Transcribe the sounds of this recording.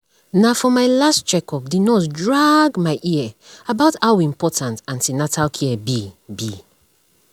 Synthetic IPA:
nafɔmaɪlastt͡ʃɛkʰɔp̚dinɔtdɹaɡmaɪʔiɛabaʊtawĩmpɔtãntãnsinatʰalkʰiɛbibi

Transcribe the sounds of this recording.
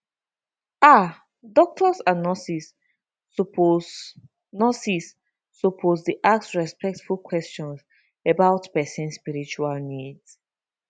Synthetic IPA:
a | dɔk̚tʰɔsanɔsis | nɔsisː | ɔpʰozdiʔak̚sɹɛspɛk̚tfulkʰwɛst͡ʃɔ̃ns | ebaʊtpɛsɛ̃nspiɹit͡ʃualnids

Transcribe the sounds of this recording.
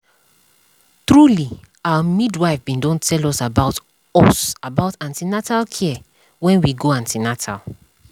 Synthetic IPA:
tɹuli | awamidwaɪfbĩndɔ̃ntʰɛlɔsabaʊt | ɔsabaʊtãntinatalkʰiɛ | wɛ̃nwiɡoãntinatʰa̰l

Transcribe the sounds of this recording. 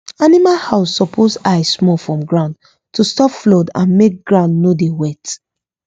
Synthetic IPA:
animalhaʊsːɔpʰosaɪsːmɔfɹɔ̃mɡɹãʊ̃nd | tʰustɔpflɔdã̰nmek̚ɡ̥ɹãʊ̃ndnodewɛt

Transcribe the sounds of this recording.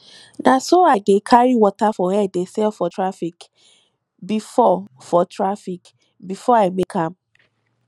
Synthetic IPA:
nasoaɡekʰaɹiwɔtafɔhɛdesɛlfɔtɹafik | bifɔ | fɔtʰɹafik | bifɔaɪmekʰãm

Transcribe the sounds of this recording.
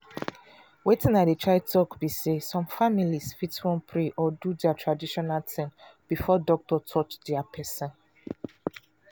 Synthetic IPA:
wetĩnaɪət͡ʃaɪd̚tʰɔkbisesɔ̃mfamilisfitwɔ̃npʰɹeʔɔdudɛatʰɹadiʃɔnaltʰɛ̃nb̥ifɔdɔk̚tɔtʰɔt͡ʃdɛapʰɛsɔ̃n

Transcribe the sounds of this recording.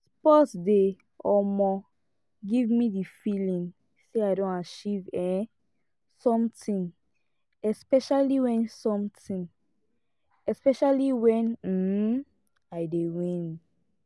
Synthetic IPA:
spɔtde | ɔmɔ | ɡivmidifilĩŋ | seaɪdõnat͡ʃivɛ | sɔ̃mtĩn | ɛspɛʃaliwɛ̃nsɔ̃mtʰĩn | ɛspɛʃaliwɛ̃n̩ | aɪdewĩn

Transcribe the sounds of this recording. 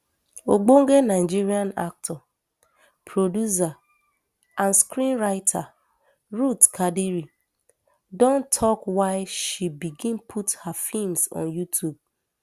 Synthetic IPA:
oɡ͡boŋ̩ɡenaɪd͡ʒiɾiãna̰k̚tʰɔ | pʰɾodjus̬a | ãnskɾĩnɾaɪtʰa | ɾutkʰadiɾi | dõntʰɔkwaɪʃibiɡĩnpʰuthafimsɔ̰̃njutʰjub̚

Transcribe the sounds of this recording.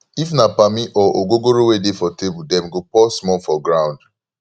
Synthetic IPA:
ifnapamiʔɔʔoɡoɡoɾowedefɔtebudɛmɡopɔsmɔlfɔɡɹãʊ̃nd

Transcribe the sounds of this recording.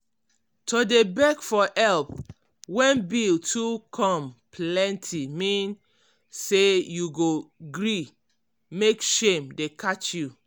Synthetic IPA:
todebɛkfɔʔɛlp | wɛ̃nbiltʰukʰɔ̃mpʰlɛ̃ntʰimĩn | sejuɡoɡɹi | mekʃẽmdekʰat͡ʃju

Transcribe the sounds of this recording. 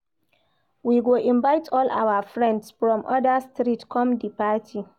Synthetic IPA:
wiːɡʷoʔɪmbajtʰɔːlʔa̰wafɹɛ̃ndsfɹɔ̃mʔɔ̰dastɾitkɔmdipaːtʰi

